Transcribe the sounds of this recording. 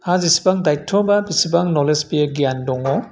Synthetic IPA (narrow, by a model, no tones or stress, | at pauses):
hazisi̥baŋdajtʰːɔbabisibaŋnɔlespieɡijandɔŋɔ